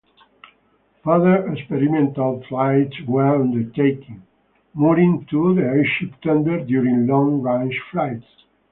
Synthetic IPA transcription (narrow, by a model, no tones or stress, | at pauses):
ʌðə˞ɛkspɛɾimɛ̃nt̪alflajtswɛɹʌ̃nd̪əɹt̪ʰejkĩŋ | muɾĩŋt̪ʰuðəeʃipt̪ʌ̃nd̪əɾd̪juɾĩŋlɔ̃ŋɹãnd͡ʒfɹajts